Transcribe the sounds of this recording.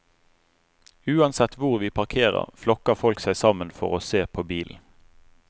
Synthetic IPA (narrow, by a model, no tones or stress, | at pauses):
ʉːɑnsɛt̪ʋʊʁʋiːpʰɑʁkʰeːʁə̰ʁflɔkəfɔlksæɪsɑmənfɔ̰ʁoːseːpʰoːbiːln̩